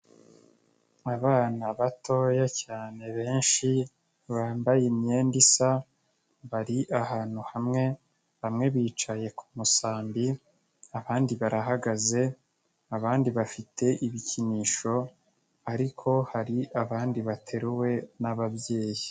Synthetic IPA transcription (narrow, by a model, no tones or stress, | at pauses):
aβaːnaβatʰo̞jacaːne̞βe̞ːnʃi | βaːmbajemeːndisa | βaɾiʔahaːn̥huhamŋe̞ | hamŋe̞βiːt͡ʃaje̞kʰumusaːmbi | aβaːndiβaɾaɦaɡaze̞ | aβaːndiβafitʰe̞ʔiβiciniːʃo̞ | aɾikʰo̞haɾiʔaβaːndiβatʰe̞ɾuwe̞naβabje̞ːji